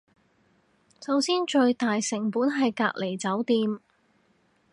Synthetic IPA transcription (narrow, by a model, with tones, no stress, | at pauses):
sɐ˨˥wsiː˥nt͡ʃɵ˧ɥt̪aː˨jsɪ˨˩ŋpuː˨˥nɦɐ˨jka̰ː˧k̚le˨˩jt͡sɐ˨˥wt̪iː˧m